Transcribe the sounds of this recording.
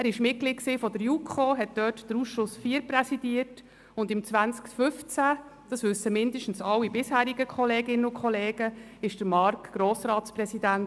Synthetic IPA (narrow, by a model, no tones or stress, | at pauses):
æːɾɪʃmɪt̚ɡ̥liːt̚ksiːfɔdəɾjukʰχoːɦɛt̚d̥œːtd̥əɾuːsʃʊsfiːəɾprɛsid̥iət | ʊndɪmt͡sʋænt͡skfʏft͡sæ | d̥ɑsʋʉsəmɪndəʃtn̩sɑlːibɪshæːɾiɡəkχɔleːɡɪnənʊkχɔleːɡ̥əɪʃd̥əɾmɑɾkɡ̥ɾoːsrɑːtsprɛsidæn